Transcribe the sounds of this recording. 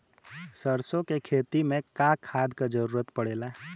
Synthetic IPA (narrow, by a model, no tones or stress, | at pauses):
səɾsõkekʰeːt̪imẽkaːkʰaːd̪kad͡ʒəɾuːɾət̪pəɽeːla